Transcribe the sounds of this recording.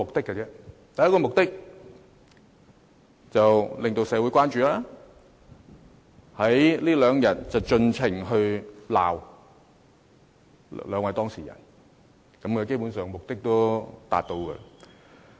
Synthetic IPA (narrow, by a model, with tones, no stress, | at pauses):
ʊ˨k̚t̪ɪ˥kːɛ˧t͡sɛː˥t̪ɐ˨jːɐ˥kɔ˧mʊ˨k̚t̪ɪ˥k̚ | t͡sɐ˨wlɪ˨ŋt̪o˧wsɛː˨˧wuː˨˥jkʷwaː˥nt͡ʃyː˨˧laː˥ | hɐ˨˥jliː˥lœː˨˧ŋjɐ˨˩t̚t͡sɐ˨wt͡ʃɵ˧nt͡sʰɪ˨˩ŋɦɵ˧ɥla̰ː˨˩w | lœː˨˧ŋwɐ˨˧jt̪ɔː˥ŋsḭː˨˩jɐ̰˨˩n | kɐ˨˥mkɐ˨˧ke˥jpu˨˥nsœː˨ŋmʊ˨k̚t̪ɪ˥k̚t̪o˥wt̪a̰ː˨t̚t̪o˧wkɛ̰˧